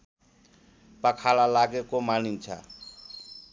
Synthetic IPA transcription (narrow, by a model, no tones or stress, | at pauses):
pəkʰalalaɡekomanint͡sʰa̰